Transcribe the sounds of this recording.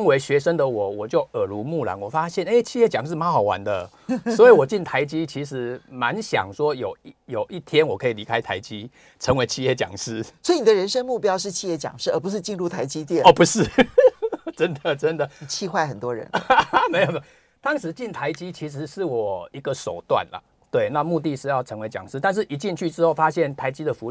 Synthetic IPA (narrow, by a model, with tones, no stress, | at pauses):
ŋwe˧˥ɪɕɥɛ˧˥ʂə˥ŋd̪ə˨wɔ˨˩wɔ˨˩t͡ɕjo˥˩ʊə˨˩lu˧˥mu˥˩la̰˨˦nwɔ˨˩fa˥ɕjɛ˥˨ne˥˩ɪt͡ɕʰi˥˧jɛ˥˩t͡ɕjɑ˨˦ŋʂ̬ɻ̩˥˩ma˦˥xa˨˩wa̰˧˦nd̪ə˧ | swɔ˧˥i˨˩˦wɔ˨˩t͡ɕi˥˩nt̪ʰa˧˦ɪt͡ɕi˦˥t͡ɕʰi˧˥ʂɻ̩˧˥ma˧˦nɕjɑ̰˨˩ŋʂwɔ˦˥jo˨˦ʊjo˨˩ʊʔi˥˩t̪ʰjɛ˥˦nwɔ˨˩kʰɤ˧˥i˨li˧˥kʰa˦ɪt̪ʰa˧˥ɪt͡ɕi˦˥ | ʈ͡ʂʰə˧˥ŋwe˧˥ɪt͡ɕʰi˥˧jɛ˥˩t͡ɕjɑ̰˨˩ŋʂɻ̩˥sswɔ˧˥i˨ni˨d̪ə˧ɻə˧˦nʂə˥ŋmu˥˧˩pjɑ˥ʊʂɻ̩˥˧t͡ɕʰi˥˧jɛ˥˩t͡ɕjɑ̰˨˩ŋʂɻ̩˥˩ə˞˧˥˩pu˧˦ʂɻ̩˥˧t͡ɕi˥˧nɻu˥˩t̪ʰa˧˥ɪt͡ɕi˥t̪jɛ˥˩nɔ˧˩pu˨˧˥ʂɻ̩˥˩ | ʈ͡ʂə˦nd̪ə˨ʈ͡ʂə˦nd̪ə˨˩t͡ɕʰi˥˧xwa˥˩ɪxə˨˩nt̪wɔ˥ɻə̰˧˥nme˧˥ɪo˨˩˨ | t̪ɑ˥ŋʂɻ̩˧˥t͡ɕi˥˩nt̪ʰa˧˦˥ɪt͡ɕi˥t͡ɕʰi˧˦˥ʂ̬ɻ̩˧˦ʂɻ̩˥˩wɔ˨˩i˧˥ɡə˨ʂo˨˩ʊt̪wa̰˥˨nlə̰˩ | t̪we˥˩ɪna˥˧mu˥˧t̪i˥˧˨ʂɻ̩˥˧jɑ˥˩ʊʈ͡ʂʰə˧˥ŋwe˧˥ɪt͡ɕjɑ̰˨˩ŋʂɻ̩˥t̪a˥˧nʂɻ̩˥˩ʔi˧˥t͡ɕi˥˧nt͡ɕʰy˥˩ʈ͡ʂɻ̩˥xo˥˩ʊfa˦˥ɕjɛ˥˩nt̪ʰa˧˥ɪt͡ɕi˦˥d̪ə˨fu˧˦